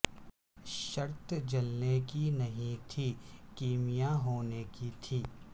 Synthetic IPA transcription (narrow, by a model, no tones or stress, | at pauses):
ʃɐɾt̪d͡ʒɐlnekinɐɦĩt̪ʰiːkiːmijaɦoːnekit̪ʰiː